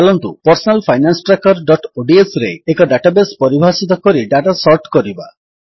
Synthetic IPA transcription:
alɔnt̪upɔɾsɔnalpʰajnansɔ̥ʈɾakɔɾɖɔʈoɖiesɾeekɔɖaʈabespɔɾibʱasit̪̬ɔkɔɾiɖaʈasɔɾʈkɔɾiba̰

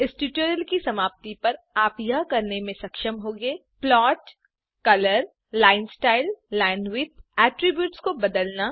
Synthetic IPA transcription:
ɪsʈiʈjuːɾəlkisɐmaːp̚t̪ipɐɾ | aːpjɐɦkɐɾnemẽsɐkʃəmɦoːɡeː | plɔːʈ | kɐləɾ | laːɪnsʈaːɪlːɛːnʋɪːt̪̚ɛːʈɾɪbjuːʈskobɐd̪əlna

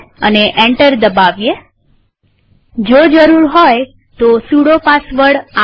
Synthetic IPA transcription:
əneʔeɳʈəɾd̪əbaʋje | d͡ʒod͡ʒəɾuɾɦoj | t̪osuɽopasʋəɽa

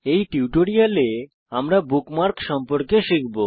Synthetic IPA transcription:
ejʈiwʈoɾiale | amɾabukmaɾkʃɔmpoɾkeʃikʰbo

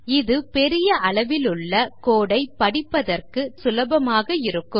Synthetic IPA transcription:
ɪðɯpɛɾɪjɐʔɐɭɐʋɪlɯɭːɐkoːɽɐɪpːɐɽɪpːɐðɐrkɯsʊlɐbɐmaːɣɐɪɾɯkːɯm

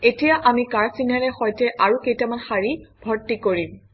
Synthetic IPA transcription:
etijaʔamikaɹsinaɹɛxɔjtɛʔaɹukejtamanxaɹib̥ʱɔɹtːikoɹim

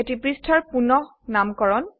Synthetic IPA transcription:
etipɹistʰɔɹpunɔh | namkɔɹɔn

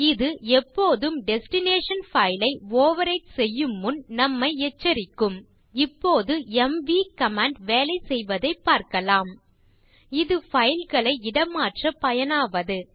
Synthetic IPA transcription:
ɪðɯɛpːoːðɯmɖɛsʈɪneːʂɐnfɐɪlɐɪoːʋɐɾɐɪʈsɛjːɯmːɯnnɐmːɐɪɛt͡ʃːɐɾɪkːɯm | ɪpːoːðɯɛmʋikɐmaːɳɖʋeːlɐɪsɛjʋɐðɐɪpːaːɾkɐlaːm | ɪðɯfɐjɪlɣɐɭɐɪɪɽɐmːaːʈrɐpɐjɐnaːʋɐðɯ

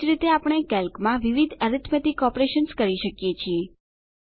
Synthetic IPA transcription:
ɾit̪eapəɳ̃ekɛlkmãʋiʋid̪ʱəɾit̪ʰmət̪ikɔpɾeʃənskəɾiʃəkjet͡ʃʰie

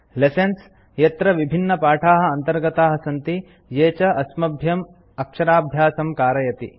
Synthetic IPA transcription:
lesens | jɐt̪ɾɐʋibʱinːɐpaːʈʰaːɦɐ̆ɐnt̪ɐɾɡɐt̪aːɦɐsɐnt̪i | jeːt͡ʃɐʔɐsmɐbʱjɐm | ɐkʂɐɾaːbʱjaːsɐmkaːɾɐjɐt̪ḭ

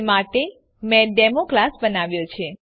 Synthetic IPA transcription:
maʈe | mɛ̃ɖɛmoklasbənaʋjot͡ʃʰe

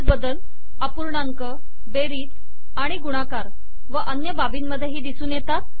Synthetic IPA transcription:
t͡sbəd̪əl | əpuɾɳaŋkə | beɾiːt͡s | aɽ̃iɡuɽ̃akaɾ | ʋəʔənjəbabiːnməd̪ʱːjeɦiːd̪isuːnjet̪at̪̚

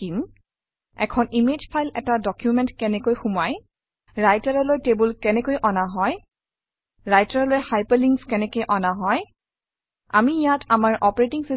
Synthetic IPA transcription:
im | ɛ̰kʰɔnimed͡ʒpʰajlɛtadɔkjumɛntkɛnɛkojxumaj | ɹajtaɹɔlojtebulkɛnɛkojʔɔnaɦɔj | ɹajtaɹlojhajpliŋɡskɛnɛkojʔɔnaɦɔj | a̰mijatamaɹɔpɔɹetiŋsi

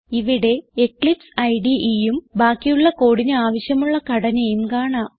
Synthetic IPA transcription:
iʋiɽe̞ekɭipsɐjɖiʔijumbaːkːijuɭːɐko̞ːɽiɲɐaːʋɐɕjɐmuɭːɐkɐɽɐnɐjumkaːɳaːm

